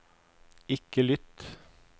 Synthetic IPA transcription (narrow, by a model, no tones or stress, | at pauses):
ɪkəlʏt̪